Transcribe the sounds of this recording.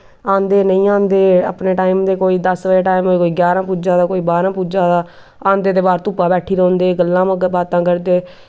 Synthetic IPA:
ãːnd̪eːnəĩːãːnd̪eːa̰ːpneːʈaːiːmd̪eːkoːiːd̪əsʋeːʈaːimoːiːkoːiːɡjaːɾãːpuːd͡ʒãːd̪aːkoːiːbaːɾãːpuːd͡ʒãːd̪aː | ãːnd̪eːt̪eːbaːɾt̪ʊpːãːbɛːʈʰiːɾõːnd̪eːɡəlːãːbaːt̪ãːkəɾd̪eː

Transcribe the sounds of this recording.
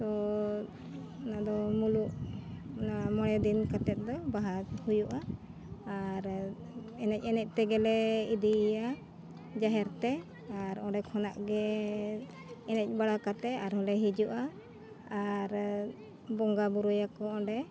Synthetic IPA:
t̪ɔ | nad̪ɔmuluʔ | namɔɽɛd̪inkat̪ɛt̪̚d̪ɔbaɦahujuʔaː | ɾ | ɛnɛc̚ˀɛnɛc̚ˀt̪ɛɡɛlɛid̪ija | d͡ʒaɦɛɾt̪ɛ | aɾɔɖɛkʰɔnaʔɡɛ | ɛnɛc̚ˀbaɽakat̪ɛaɾɦɔlɛɦid͡ʒuʔaː | ɾ | bɔŋɡabuɾujakɔɔɖɛ

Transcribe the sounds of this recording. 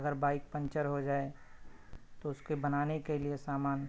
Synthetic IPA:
ɐɡəɾbaːɪk̚pə̃ɲt͡ʃəɾɦod͡ʒaːe | t̪oʊskebɐnaːnekeliesaːmaːn

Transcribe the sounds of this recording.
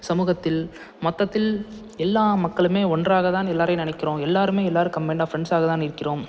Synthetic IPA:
sɐmuːɣɐt̪ːɪl | mɐt̪ːɐt̪ːɪl | ɛlːaːmɐkːɐɭɯmeːɔndraːɣɐt̪ãːnɛlːaːɾɐɪnɪnɐɪkːɪrõːɛlːaːɾɯmeːɛlːaːɾɯkɐmɛɳɖaːfɪɾɛɳɖsaːɣɐt̪ãːnɪɾɯkːɪroːm

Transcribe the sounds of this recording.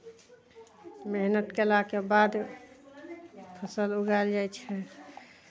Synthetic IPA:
meɦnət̪kelakebad̪ | pʰəsəluɡaeld͡ʒajt͡ʃʰɛ

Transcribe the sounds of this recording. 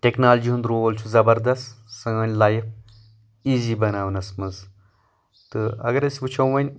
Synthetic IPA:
ʈʲeknaːld͡ʒiːɦund̪ɾoːʋɐlt͡ʃʰuzɐbɐɾd̪ɐst̪sɐŋɐnʲlaːjp̚ | iːziːbɐnaːʋnɐsmɐz | t̪ɨɐ̰ɡɐɾɐsʲʋut͡ʃʰɐw̃ʋɐnʲ

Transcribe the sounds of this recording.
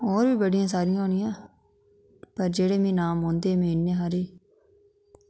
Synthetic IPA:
ɔːɾbiːbəɽɪjãːs̬aːɾɪjãɦoːnɪjãː | pəɾd͡ʒeːɽeːmĩːnaːmɦõːnd̪eːmɛ̃ːɪnːẽːɦaːɾiː

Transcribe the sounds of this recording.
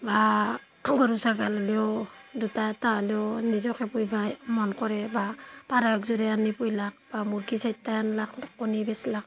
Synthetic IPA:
ba | ɡɔɾusaɡalaleɔdutataleɔnizɔkɛpujbʱajmɔnkɔɾɛbapaɾajɔkzuɾɛanipujlak̚b̥amuɾɡisajtːajanlakɔnibɛslak̚

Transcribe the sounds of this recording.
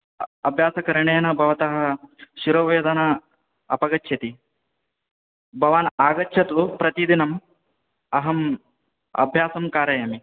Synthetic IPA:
ɐbʱjaːsɐkɐɾɐɳeːnɐbʱɐʋɐt̪ɐɦɐ̆ʃiɾɐʋeːd̪ɐna | ɐpɐɡɐtːʃʰɐt̪i | bʱɐʋaːnaːɡɐtːʃʰɐt̪pɾɐt̪id̪inɐm | ɐɦɐm | ɐ̰bʱjaːsɐmkaːɾɐjɐmi

